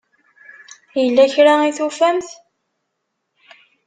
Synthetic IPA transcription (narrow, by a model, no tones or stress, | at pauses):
jəlːæçɾaiθufæmθ